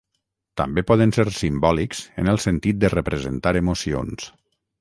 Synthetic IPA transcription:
t̪ə̰mbepɔðənseɾsimbɔlikz̥ə̰nəlˠsənt̪it̪̚d̪ərəpɾəzənt̪aɾəmosio̰ns

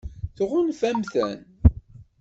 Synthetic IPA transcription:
θʁʊnfæmθæn

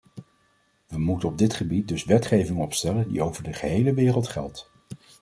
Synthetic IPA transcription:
ʋəmutənɔb̚dɪtχəbit̚dɵsʋɛtχejvɪŋɔpstɛləndḭowvəɹdəχəɦejləʋɪːrəlˠtχɛ̰lˠt

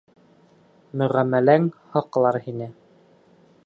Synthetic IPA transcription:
mɵ̆ʁæmːælæŋhɑqɤ̆lˠɑɾhinɘ

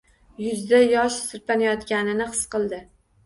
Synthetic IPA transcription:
jʊzd̪ajɒʃsɪɾpanajɒt̪ɡʲanɪnɪqɨ̥sqɨlˠd̪ɪ

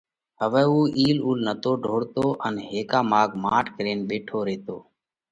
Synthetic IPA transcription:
ɦəʋɛːuːʔiːluːlnət̪oːɖʱoːɽt̪oːʔənɦeːkaːmaːɡmaːʈʰkɾeːnɓeːʈʰoːɾeːt̪oː

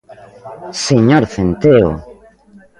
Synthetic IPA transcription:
seɲoɾθent̪eo̰

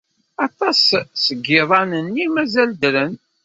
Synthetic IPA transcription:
ɑt̪ˤɑssəɡːɪðˤɑnənːimæzæld̪ɾən

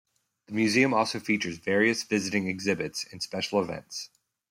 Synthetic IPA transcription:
ðəmjʉziɨ̃mɔlˠsoʊfit͡ʃə˞zvɛɹiɨsv̥ɪzɨɾɪ̃ŋɨɡzɪbɨtsɨ̃nspɛʃl̩ˠəvɛ̰̃nts

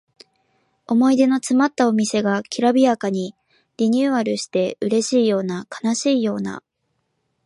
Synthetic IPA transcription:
o̞mo̞id̪e̞no̞t͡sɨmat̪ːao̞mʲise̞ɡakʲʰiɾabʲiakaɲ̟i | ɾʲiɲ̟ɨːaɾɯ̟ɕi̥t̪e̞ɯ̟ɾe̞ɕiːjo̞ːnakḁnaɕiːjo̞ːna̰

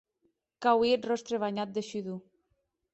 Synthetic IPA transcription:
kawiet̪rɔst̪ɾeβaɲat̪̚d̪eʃyðu

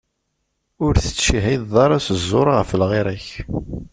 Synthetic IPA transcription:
ʊɾθə̥t͡sːiɦiððˤɑɾˤasəzˤːoɾˤɑʁəfəlʁeɾæç

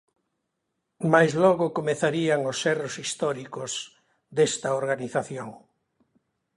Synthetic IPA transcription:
majzlɔɣʊkomeθaɾiaŋosɛrosist̪ɔɾikoz | d̪est̪ɐoɾɣaniθaθjoŋ

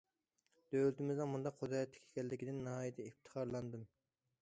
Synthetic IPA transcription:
d̪̥øwlt̪ɪmɪzɨmund̪ɑqʰχod̪ɑjɑt̪ʰːɪ̥kʲʰe̥kʲʰɛlːɪkʲid̪ɪnːɨɦɑːjet̪ʰɛift̪ʰə̥χɑɾlˠɑnd̪ɨm

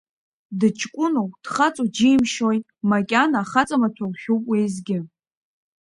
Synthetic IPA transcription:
dɨt͡ʃʰʼkʷʼʊnod̥χat͡sʼud͡ʒijmʃojtʼmakʲʼanaχat͡sʼamat͡ɕʷʰawʷχʲowpʼwejzɡʲɪ

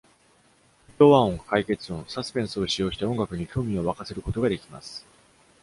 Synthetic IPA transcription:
it̪oβaõŋkʰaike̞t͡sɨõsasɨ̥pẽ̞ɰ̃sɨo̞ɕijo̞ːɕi̥t̪aõ̞ŋɡakɯ̟ɲ̟ikʲo̞ːmʲĩo̞βakase̞ɾɯ̟ko̞t̪o̞ɡad̪e̞kʲima̰sɨ̥

